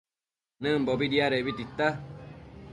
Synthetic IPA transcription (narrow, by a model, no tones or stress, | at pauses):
nɨ̃m̩bobidiaɾeβit̪it̪a